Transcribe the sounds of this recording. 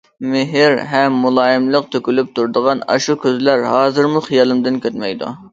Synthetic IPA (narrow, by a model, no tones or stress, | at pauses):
mɪɦɪɾɦɛmːulˠɑːjɪmlˠəq̚t̪ʰøkʲylyp̚t̪ʰuɾd̪əʁɑnɑ̰ʃukʲøzlæɾhɑːzɨɾmuχijɑlˠɨmd̪ɪnkʲøt̪mɛjd̪ṵ